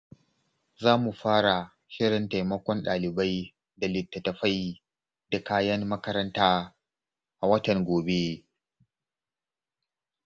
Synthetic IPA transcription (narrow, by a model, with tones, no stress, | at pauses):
zaː˦mu˨ɸaː˦ɽa˨ | ʃɪ˦ɽɪ˨nta˨jmɐ˦kʷɔ˦nɗaː˨lɪ˨ba˦j | da˨lɪ˨tːɐ˨tɐ˨ɸa˦j | da˨kaː˦jɐ˦mːɐ˦kɐ˦ɾɐ˦ntaː˦ | ʔa˨wɐ˦tɐ˨ŋɡʷoː˨be˦